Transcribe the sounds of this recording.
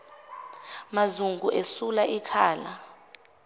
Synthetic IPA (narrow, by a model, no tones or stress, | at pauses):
mazuŋɡʱuʔesulaʔikʰaːla